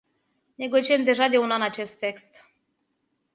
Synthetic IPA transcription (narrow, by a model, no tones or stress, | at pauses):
ne̞ɡo̞t͡ʃiemd̪e̞ʒad̪e̞unanat͡ʃe̞st̪ːe̞kst̪